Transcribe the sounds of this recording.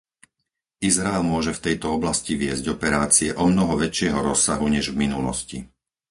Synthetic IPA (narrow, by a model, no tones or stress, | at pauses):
izɾaɛlmʊɔʒɛft̪ɛjt̪ɔɔblasciʋɪɛzɟɔpɛɾaːt͡siɛʔɔmnɔɦɔʋɛt͡ʃɪɛɦɔɾɔsːaɦuɲɛʒvminulɔ̰sci